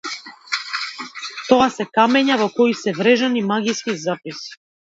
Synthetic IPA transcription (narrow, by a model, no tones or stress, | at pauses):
t̪ɔasɛkamɛɲavɔkɔisɛvɾɛʒanimaɡiskizapisi̥